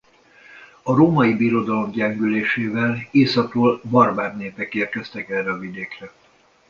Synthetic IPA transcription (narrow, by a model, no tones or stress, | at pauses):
ɒɾoːmɒjibiɾo̞d̪ɒlo̞mɟɛŋɡyleːʃeːvɛleːsɒkroːlbɒrbaːrneːpɛkeːrkɛst̪ɛkɛrːɛɒvid̪eːkrɛ